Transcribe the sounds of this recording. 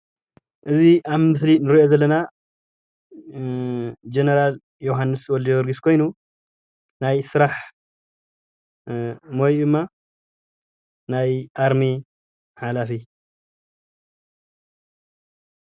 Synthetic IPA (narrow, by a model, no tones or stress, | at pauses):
ʔɨziʔaβmɨs̬linɨɾiʔo̞zɐlːɐna | d͡ʒenɐɾal | joɦanːɨswɔld̪wɔɾɡiskʰo̞jnu | najsɨɾaħ | mojd̪ɨmːa | najʔaɾmi | ħalafi